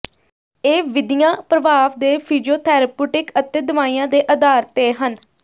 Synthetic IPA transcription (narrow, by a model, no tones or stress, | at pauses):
eːʋɪd̪ijãːpɾəʋaːʋd̪eːpʰiːd͡ʒioːt̪ʰɛːɾəpuːʈɪkət̪eːd̪əʋaːiːãːd̪eːʔəd̪aːɾt̪eːɦən